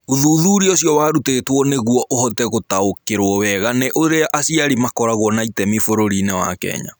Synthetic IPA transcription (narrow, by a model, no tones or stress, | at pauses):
uðuːðuɾiosjɔwaːɾutetwɔneɣwɔʔohɔtɛɣotaokeɾwɔβɛɣanɛʔoɾeaʔasiaɾimakɔɾaɣwɔnaitɛmifoɾoɾinɛwa̰kɛ̰ːɲa̰